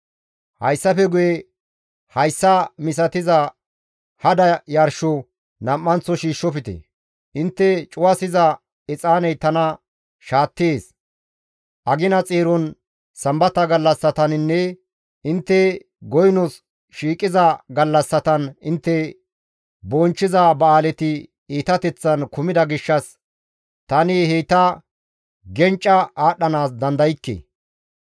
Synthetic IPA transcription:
hɐjsːɐfɛɡʊjɛ | hɐjsːɐmɪs̬ɐt̪ɪzɐ | hɐd̪ɐjɐɾʃɔ | nɐmːɐnt͡sːɔʃiːʃːɔfɪt̪ɛ̰ | ʔɪnt̪ːɛt͡ʃʼʊwɐsɪzɐ | ɛt͡sʼaːnɛjt̪ɐnɐ | ʃaːt̪ːeːs | ʔɐɡɪnɐt͡sʼeːɾɔn | sɐmbɐt̪ːɐɡɐlːɐsːɐt̪ɐnɪnːɛ | ɪnt̪ːɛ | ɡɔjnɔs | ʃiːkʼɪzɐɡɐlːɐsːɐt̪ɐnɪnt̪ːɛ | bɔnt͡ʃːɪzɐbɐaːlɛt̪ɪ | iːt̪ɐt̪ɛt͡sːɐnkʊmɪd̪ɐɡɪʃːɐs | t̪ɐniheːt̪ɐ | ɡɛnt͡ʃʼːɐaːɗːɐnaːs̬d̪ɐnd̪ɐjɪkːḛ

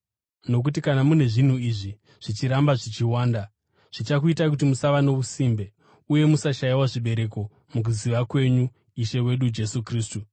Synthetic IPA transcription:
no̞k̬ut̬ikanamune̞ʐin̤uiʐi | ʐ̥it͡ʃiɾambaʐit͡ʃiwaːnda | ʐ̥it͡ʃakuitak̬ut̬imusaʋano̞ʋusimbe̞ | uje̞musaʃajiwaʐiɓe̞ɾe̞ko̞ | muk̬uziʋakwe̞ɲu | iʃe̞we̞ɗud͡ʒe̞sukriːstu

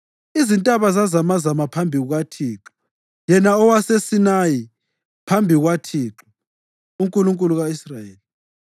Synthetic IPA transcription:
izintʼaβazazamazamapʰambʱiɣuɣwatʰiːǁɔ̥ | jɛnaɔwasesinaji | pʰambʱiɣwatʰiːǁɔ | uŋkʼuluŋkʼuluɣaisrajeːli

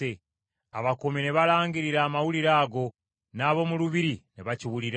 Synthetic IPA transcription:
e | a̰βakomine̞βalaːŋɡiɾiɾaːmawuliɾaːɡo̞ | naːβo̞muluβiɾineβaciβuliɾ

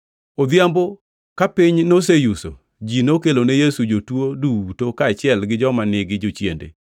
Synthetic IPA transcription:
od̪jambo | kapɪɲnosejuso̰ | d͡ʒinokelonejesud͡ʒotwodutokaːt͡ʃɪɛlɡɪd͡ʒɔmanɪɡɪd͡ʒot͡ʃjendḛ

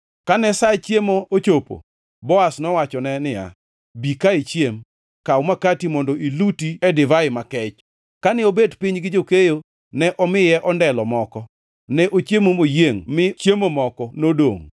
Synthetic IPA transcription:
kanɛsat͡ʃjemoot͡ʃopo̰ | bɔasnɔwat͡ʃɔnɛnɪja̰ | bikait͡ʃjem | kawmakatimɔndɔʔilutiɛdɪvaɪmakɛt͡ʃ | kanɪobedpiɲɡɪd͡ʒokejo | nɛʔɔmɪjɛʔɔndɛlɔmɔkɔ | nɛʔot͡ʃjemomojeŋmɪt͡ʃjemomɔkɔnodo̰ŋ

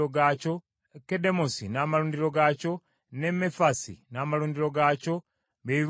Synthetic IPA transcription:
oɡaco | kede̞mosinaːmaluːndiɾo̞ɡaco̞ | ne̞mefasḭnamaluːndiɾo̞ɡaco̞ | βei

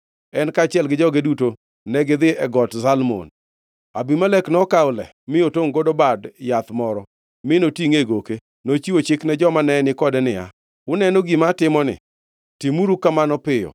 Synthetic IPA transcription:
ɛnkaːt͡ʃɪɛlɡɪd͡ʒɔɡeduto | nɛɡɪd̪ɪɛɡɔtsalmo̰n | a̰bimalɛknɔkaʊlɛ̰ | mɪotoŋɡodobadjat̪mɔɾɔ | mɪnotiŋeɡoke | not͡ʃiwot͡ʃɪknɛd͡ʒɔmanɛnɪkɔdɛnɪa̰ | wʊnɛnoɡimatɪmɔnɪ̰ | timuɾukamanɔpɪjɔ̰

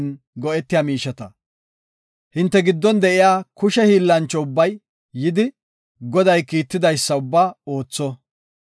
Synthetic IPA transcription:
n | ɡɔʔɛt̪ːɪjamiːʃɐt̪ɐ | hɪnt̪ːɛɡɪd̪ːɔnd̪ɛʔɪjaːkʊʃɛhiːlːɐnt͡ʃːɔʊbːɐjː | ɪd̪ɪ | ɡɔd̪ɐjkiːt̪ːɪd̪ɐjsːɐʊbːaːo̞ːt͡sːɔ

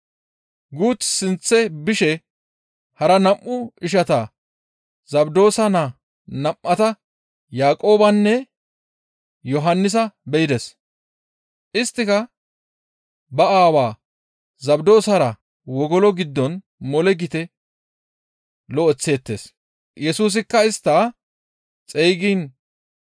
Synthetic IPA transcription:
ɡuːt̪ːsɪnt͡sːɛbɪʃɛ | hɐɾɐnɐmːʊɪʃ̬ɐt̪aː | zɐbd̪o̞ːsɐnaː | nɐmʔɐt̪ɐ | jaːkʼo̞ːbɐnːɛ | jɔɦɐnːɪs̬ɐbɛjɪd̪ɛs | ʔɪst̪ːɪkɐ | bɐaːwaː | zɐbd̪o̞ːsɐɾɐ | wɔɡɔlɔɡɪd̪ːɔn | mɔlɛɡɪt̪ɛ | lɔɔt͡sːe̞ːt̪ːeːs | jɛsuːs̬ɪkːɐɪst̪ːaː | t͡sʼɛjɡiːn

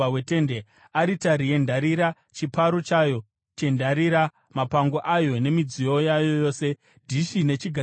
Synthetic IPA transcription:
wete̞nde̞ | aɾitaɾie̞ndʱaɾiɾa | t͡ʃipaɾo̞t͡ʃaːjo̞ | t͡ʃe̞ndaɾiɾa | mapaŋɡoʔajo̞ne̞mid͡zio̞jajojo̞ːse̞ | dʱiʃine̞t͡ʃiɡʱa

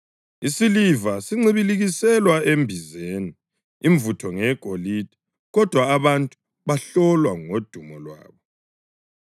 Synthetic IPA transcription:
isilivasiŋ͡ǀiβiliɣisɛlwaembʱizeni | iɱvutʰɔŋɛɡ̥ʱolid̥ʱi̥ | ɣɔd̥ʱwaːβantʼu̥ | βaɬɔlwaŋod̥ʱumɔlwa̰ːβɔ

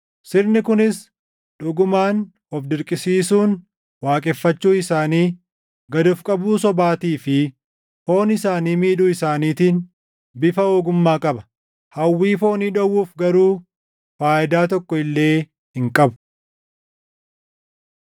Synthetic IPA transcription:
sɪɾnɪkʊnɪs | ᶑʊɡʊmaːn | ɔfd̪ɪɾkʼɪsiːsuːn | waːkʼɛfːɐt͡ʃːuːɪsaːniː | ɡɐd̪ʊfkʼɐbuːsɔbaːt̪iːfɪ | ho̞ːnɪsaːniːmiːᶑʊɪsaːniːt̪iːn | bɪfɐoːɡʊmːaːkʼɐbɐ̥ | hɐwːiːfo̞ːniːᶑɐwːuːfɡɐɾuː | faːʔɪd̪aːt̪̬ɔkːɔɪlːe̞ː | hɪŋkʼɐbʊ̥

